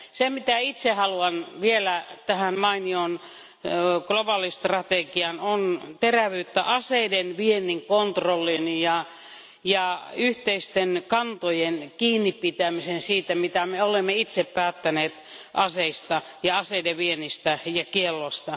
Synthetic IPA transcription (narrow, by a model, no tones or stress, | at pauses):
semit̪æit̪sehɑluɑnʋielæt̪æhænmɑinion | klobɑlist̪rɑt̪eɡiɑnont̪eræʋyːt̪ːæ̰ʔɑseidenʋienːˑiŋkont̪rolːinjɑ | jɑyht̪eist̪enkɑnt̪ojenkiːnːipit̪æmisensiːt̪æmit̪æmeolemːeit̪seppæːt̪ːæneːt̪ʔɑseist̪ɑ | jɑɑseideʋienist̪æjɑkielːost̪ɑ